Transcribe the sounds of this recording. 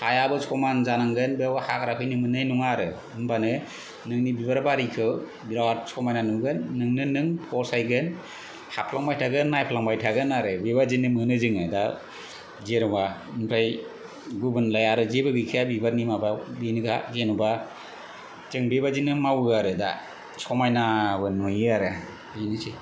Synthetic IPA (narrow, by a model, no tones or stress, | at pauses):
hajabɯsʰɔmanzanaŋɡɯnbewahakɾapʰɯjnɯmɯnɯjnuŋaɾɯ | ɯmbʰanɯ | nɯŋnibibaɾbaɾikʰɯw | biɾawasʰɔmajnanuŋɡɯnːɯŋnɯnɯŋpʰɔsajɡɯn | hapʰlaŋbajtʰaɡɯnːajpʰlaŋbajtʰaɡɯnaɾɯbebazinːɯmɯnɯzɯŋɯda | zeɾɔbaɯmpʰɾaj | ɡubɯnlajaɾɯzebɯɡɯjkʰiabibaɾnimababinɯɡa̰ɡenuba | zɯŋbeβad͡ʒinɯmawɯaɾɯda̰ | sɔmajnabɯnujaɾɯ | ɯnɯsi